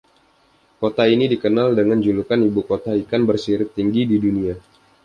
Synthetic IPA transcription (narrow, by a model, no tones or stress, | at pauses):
kot̪ainidikənaldəŋand͡ʒulukanibukot̪aikanbərsiɾɪtt̪ːiŋɡididunia